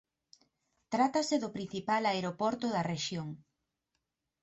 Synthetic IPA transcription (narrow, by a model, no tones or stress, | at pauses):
t̪ɾat̪aseðʊpɾĩn̟θipalaeɾopɔɾt̪ʊðɐreʃjoŋ